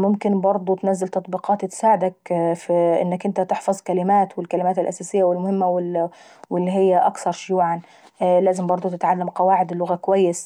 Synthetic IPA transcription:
mʊmkɪnbɑɾˤd̪ˤʊt̪nazːalt̪ɑt̪ˤbiːqɑːt̪ɪt̪saːʕɪd̪ak̚fʔɪ̰nːakʔɪnt̪at̪ɪħfɑzˤkalɪmaːt̪wɪlkalɪmaːt̪ɪlʔasaːsɪjːawɪlmʊhɪmːawɪ | wɪlːiɦɪjːaʔakθɑɾˤʃʊjuːʕan | læːzɪmbɑɾˤd̪ˤʊt̪ɪt̪ʕalːamqɑwaːʕɪd̪ɪlːʊɣakʊwajːɪs

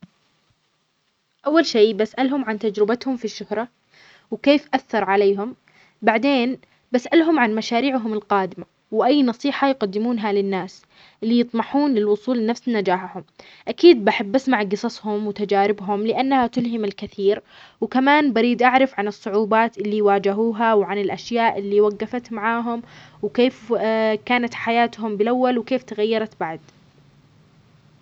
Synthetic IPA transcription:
ʔawːalʃeːbasʔalɦʊmʕant̪ad͡ʒɾɪbat̪hʊmfiʃːʊhɾˤɑ | wkeːfʔaθːɑɾˤʕaleːɦʊm | baʕd̪eːn | basʔalɦʊmʕanmaʃaːɾiːʕɦʊmɪlqɑːd̪ɪma | wʔajːnɑsˤiːħɑjqad̪ːɪmuːnɦalɪnːaːs | ʔɪlːijɨt̪ˤmɑħuːnlɪlwʊsˤuːlɪnafsnad͡ʒaːħhʊm | ʔakiːd̪̚baħabːasmaʕɡɨsˤɑshʊmwɪt̪ad͡ʒaːɾɪbɦʊmlɪʔanːhat̪ʊlɦɪmɪlkɪθiːɾ | wkamaːnbaɾiːd̪ʔaʕɾˤɪfʕanɨsˤːʊʕuːbaːt̪ʔɪlːiwaːd͡ʒɪɦuːɦawʕanɪlʔaʃjaːʔɪlːiːwaɡːafat̪maʕaːɦʊmwkeːfkaːnat̪ħajaːt̪hʊmbɪlʔawːalwkeːft̪aɣajːɑɾˤɑt̪baʕd̪

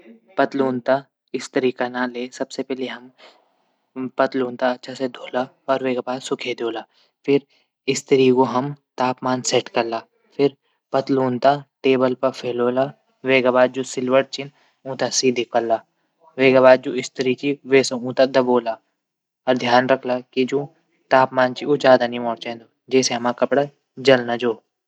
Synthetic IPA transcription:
pɐt̪luːnt̪a | ɪst̪ɐɾiːkanaleːsɐbsepɛɦleɦɐm | pɐt̪luːnt̪aɐtːʃʰased̪ʱoːla | ɔːɾʋeːɡabaːd̪sʊkʰed̪oːlaː | pʰɪɾ | ɪst̪ɐɾiːkoɦɐmt̪aːpmaːnsɛʈkɐɾlaː | pʰɪɾ | pɐt̪luːnt̪aʈeːbəlpɐɾpʰeːloːla | ʋeːɡabaːd̪̚d͡ʒoːsɪlʋəʈ̚t͡ʃɪn | ũːt̪asiːd̪ʱikɐɾlaː | ʋeːɡabaːd̪̚d͡ʒuːɪst̪əɾit͡ʃiʋeːseũːt̪ad̪ɐboːla | ɔːɾd̪ʱjaːnɾɐkʰlakid͡ʒũː | t̪aːpmaːnt͡ʃioːd͡ʒaːd̪anĩmɔːɽt͡ʃẽːnd̪oːd͡ʒɛːseɦɐmakɐpɽa | d͡ʒɐlnad͡ʒoː

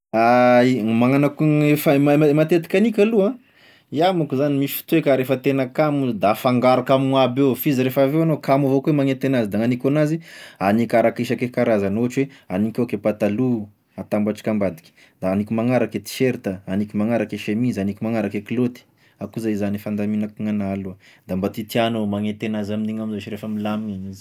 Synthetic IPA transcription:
amaŋanakuefammmat̪et̪i̥kʲanikʲaluã | iamukuzanimisi̥fi̥t̪uwekaɾefət̪enəkamud̪afaŋɡaɾakamabewfiziɾefavewanokamavokuemaŋet̪enazid̪aŋanikʲonazianikʲaɾakeʃakekaɾazanoaʈ͡ʂuweanikʲokepat̪alu | at̪ambaʈ͡ʂi̥kambad̪i̥kʲi̥ | d̪̥aanikʲumaŋaɾaket̪i̥ʃeɾt̪əanikʲumaŋaɾakeʃemizanikʲimaŋaɾakeklot̪i̥ | akuzaizanifand̪aminakuŋanalud̪ambat̪it̪ianomaŋet̪enazaminiŋamizat͡ʃiɾefəmilamiinizi̥

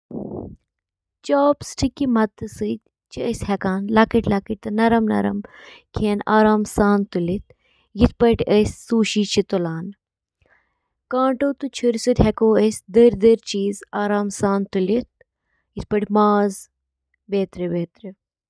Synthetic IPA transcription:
t͡ʃoːpsʈʰikːimɐt̪ɨsɨd̪ʲ | t͡ʃʰiəsʲhɛkaːnlɐkiʈlɐkiʈ̚t̪ɨnɐɾɐmnɐ̰ɾɐ̰mkʰeːnaːɾaːmsaːnt̪ulit̪̚ | jit̪̚ʰpɐʈʲəsʲːuːʃiːt͡ʃʰit̪olaːn | kãːʈoːt̪ut͡ʃʰiɾsɨd̪ʲɦɛkoːəsʲd̪əɾd̪əɾt͡ʃiːzaːɾaːmsaːnt̪ulit̪̚ | jit̪̚pɐʈʲmaːz | beːt̪ɾebeːt̪ɾe

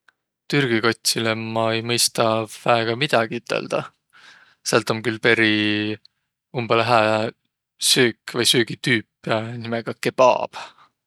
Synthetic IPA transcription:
t̪yrɡ̥iko̞t̪ʲsilemɑejmɤjst̪ɑvæeɡ̥ɑmid̪̥ɑɡ̥iyt̪ːˑḛld̪̥ɑ̰ | sælt̪ːˑomkylpe̞ɾi | umbɑlɦæː | søːkːvɤjsyːɡit̪yːpːˑnimeɡ̥ɑkːepɑ̰ːb̥

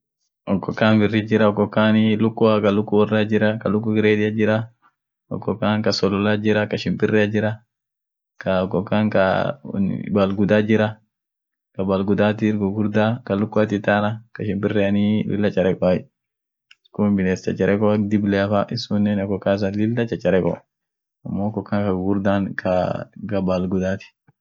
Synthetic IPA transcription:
ɔkːɔkaːnbɪrːɪd͡ʒɪɾɐɔkːɔkːaːnilʊkːʊakɐlʊkːʊwɔrːad͡ʒɪɾɐkɐlʊkːʊɡɪɾeːdɪad͡ʒɪɾɐ | ɔ̰kːɔkaːnkɐsɔlɔlad͡ʒɪɾɐkɐʃɪmpɪrːɛad͡ʒɪɾɐ | kʰɐɔkːɔkaŋka̰ | balɡʊd̪ad͡ʒɪɾɐ | kɐbalɡʊd̪aːt̪ɪɡɔɡʊɾd̪akɐlʊkːʊat̪ɪt̪anɐkɐʃɪmpʼɪrːɛɐnilʔɪ̰lːɐt͡ʃʼɐɾɛkɔaj | skunbɪleːst͡ʃɐ̰t͡ʃʼːɐɾʔɛkɔd̪ɪblɛɐfaʔɪsunːɛnɔkːɔkas̬ɐlɪld̪ɐt͡ʃːɐt͡ʃʼːɐɾɛkɔ̰ | ɐmːokːɔkːankɐɡɡʊɾd̪aːnkʰɐkɐbalɡʊd̪aːt̪ɪ̥

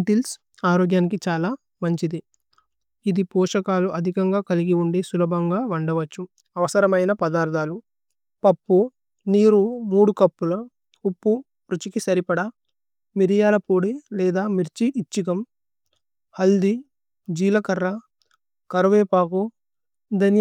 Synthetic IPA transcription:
ʈils | aːɾoːɡjaːnikit͡ʃaːlaː | mɐɲt͡ʃid̪i | id̪ipɔːʂɐkaːluʔɐd̪ʱikɐŋɡaːkɐliɡiuɳɖeːsulɐbʱɐŋɡaːʋɐɳɖɐʋɐt͡ʃːu | ɐʋɐsɐɾɐmɐjnɐpɐd̪aːɾd̪ʱaːlu | pɐpːu | niːɾumuːɽukɐpːulɐ | upːu | pɾut͡ʃikisɐɾipɐɽɐ | miɾijaːlɐpoːɽilɛːd̪aːmiɾt͡ʃiʔːt͡ʃːikɐm | hɐld̪i | d͡ʒiːlɐkɐɾːɐ | kɐɾuʋeːpaːku | d̪ɐnj

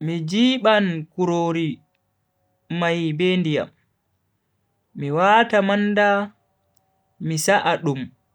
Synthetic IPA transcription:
mid͡ʒiːɓankuɾoːɾi | majbɛndija̰m | iwaːtamanda | misaʔaɗum

